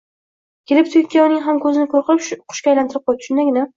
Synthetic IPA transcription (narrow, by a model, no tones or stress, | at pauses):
kʲʰelɪp̚t̪ʰʊɪkʲʰːaʊnɪŋʲɦamkʰɵzɪnɪkʰoɾqɨpʃqʰʊ̥ʃkʲajlant̪ɪɾɪp̚qʰɒjt̪ʰʃʊnd̪aɡʲɪna